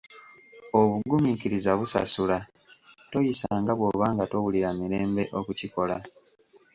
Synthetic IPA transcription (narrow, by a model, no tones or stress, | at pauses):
o̞βuɡumikiɾizaβusa̰sula | to̞jisaːŋɡaβwo̞βaːŋɡato̞βuliɾamiɾe̞ːmbe̞ʔo̞kuciko̞la